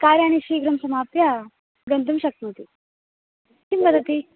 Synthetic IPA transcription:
kaɾjaɽ̃iɕiɡɾəmsəmapja | ɡənt̪̬umɕɐk̚t̪imɦot̪iː | kimpəd̪ʱːət̪i

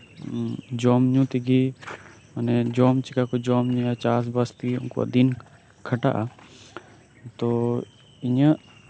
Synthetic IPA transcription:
d͡ʒɔːmɲũːt̪iɡi | mənɛd͡ʒɔːmt͡ʃikakod͡ʒɔːmɲũjat͡ʃaːs̬bast̪iʊ̰nko̰ɐ̰d̪in | kʰəʈa̰ʔa | t̪o | ɪɲə

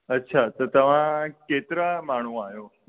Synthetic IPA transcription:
ətːʃʰat̪ot̪əmãket̪ɾamaɳ̤̃ũajõ

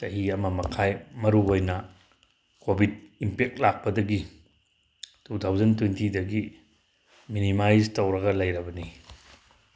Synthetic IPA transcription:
tɐɦiɐmɐmɐkʰajmɐɾuojnɐ | kobʱid̚impek̚t̚lak̚pɐdɐɡi | tutʰawzɐntwentidɐɡi | minimajztowɾɐɡɐlɐjɾɐbɐni

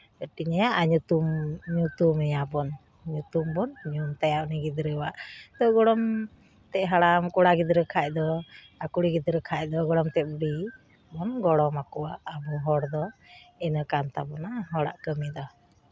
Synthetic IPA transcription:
əʈiɲajaʔaɲut̪umɲut̪umɛjabɔn | ɲut̪umbɔnɲumt̪ajaʔniɡid̪ɾəwaʔt̪ɔɡɔɽɔm | t̪ɛʔɦaɽamkuɽaɡid̪ɾəkʰac̚d̪ɔ | akuɽiɡid̪ɾəkʰac̚d̪ɔɡɔɽɔmt̪ɛʔ̚buɽi | bɔnɡɔɽɔmakɔwaʔːbɔɦɔɽd̪ɔɛnəkant̪abɔnaɦɔɽa̰ʔkəmid̪ɔ

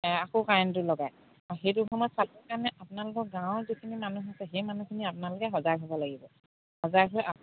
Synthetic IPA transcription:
akokajntʊlɔɡaj | aɦejtuxʰɔmɔtsatɔkaɹnɛʔapʊnalʊkɔɡãʊ̃zikʰinimanuɦɔsɛɦejmanukʰiniapʊnalʊkɛɦɔzajtʰɔbɔlaɡibɔ | hɔzajkʰɔlɛʔa

